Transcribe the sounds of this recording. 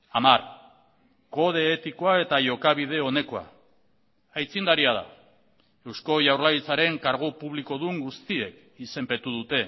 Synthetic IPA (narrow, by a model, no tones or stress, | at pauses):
amar | ko̞ð̞e̞ːt̪ikoae̞t̪aʝo̞kaβ̞ið̞e̞o̞ne̞ko̞a̰ | ajt͡sind̪aɾiað̞a̰ | e̞wsko̞ʝawɾlaɣit͡saɾe̞ŋkaɾɣ̞upuβliko̞ðuŋɡust̪ie̞k | ise̞mpe̞t̪uð̞ut̪e̞